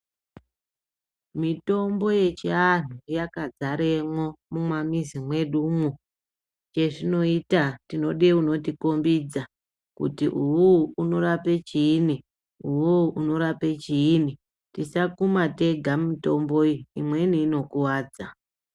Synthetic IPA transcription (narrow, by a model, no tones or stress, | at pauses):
mito̞mbo̞je̞t͡ʃian̤ujakad͡zaɾemwo̞mumwamizimwe̞ɗumu | t͡ʃe̞ʐino̞itatino̞ɗeuno̞tiko̞mbid͡za | kṵtiʔuwuuno̞ɾape̞t͡ʃiːni | uwuʔuno̞ɾape̞t͡ʃiːni | tisakumate̞ɡʱamito̞mbo̞iimwe̞niːno̞kuwaːd͡za